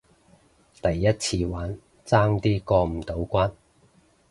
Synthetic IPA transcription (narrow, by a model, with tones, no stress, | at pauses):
t̪ɐ˨jːɐ˥t̚t͡sʰiː˧waː˨˥n | t͡saː˥ŋt̪iː˥kɔː˧m̩˨˩t̪o˨˥wkʷaː˥n